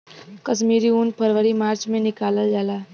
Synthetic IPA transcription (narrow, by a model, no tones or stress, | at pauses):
kəsmiɾiunpʰəɾʋəɾimaːɾt͡ʃmẽnɪkaləld͡ʒaːlaː